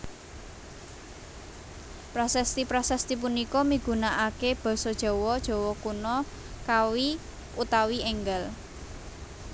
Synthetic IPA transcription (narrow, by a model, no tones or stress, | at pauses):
pɾasɛst̪ipɾɔsɛst̪ip̬unikɔmiɡ̥ṳnaʔakeb̥ɔ̤sɔd̥ʒ̥ɔ̤wɔd̥ʒ̥ɔ̤wɔkunɔ | kawi | ut̪awiɛŋɡəl